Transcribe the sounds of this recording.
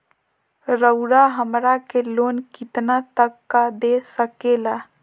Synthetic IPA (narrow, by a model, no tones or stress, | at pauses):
ɾəʊɾaɦəmɾakelonkit̪nat̪əkːad̪esəkela